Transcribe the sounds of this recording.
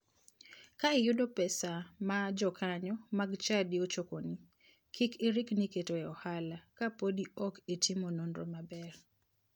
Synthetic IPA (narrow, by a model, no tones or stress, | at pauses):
kaɪjʊdɔpɛsamad͡ʒɔkʰaɲɔmaɡt͡ʃadiot͡ʃokoni | kʰikɪɾɪkniketoɛɔhalakapodiɔketʰɪmonondɾo̰mabɛr